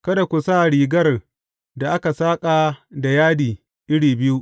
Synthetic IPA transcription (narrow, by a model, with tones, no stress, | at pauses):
kɐ˦da˨kʷu˨saː˦˨ɽiː˨ɡɐ˦r | da˨ʔa˦ka˨saː˦kʼa˨da˨jaː˦diː˨ | ʔɪ˦ɽiː˨bɪ˦ju˦ʔ